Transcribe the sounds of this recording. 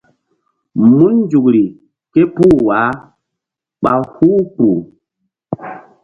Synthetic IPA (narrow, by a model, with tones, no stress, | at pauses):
mu˦n˦d͡ʒu˨kɾi˨ | ke˦puː˦˨wa˨˦ | ɓa˨hu˦k͡pu˨